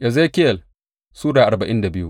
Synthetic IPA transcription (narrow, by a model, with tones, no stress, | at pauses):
ʔa˨ze˦kʲɪ˦jɐ˨l | suː˦daː˨ʔa˨rba˨ʔɪ˦nda˨bɪ˦jṵ˦ʔ